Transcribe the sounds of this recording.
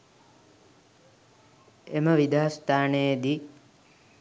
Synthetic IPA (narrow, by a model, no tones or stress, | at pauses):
eməʋid̪aːst̪aːnejed̪i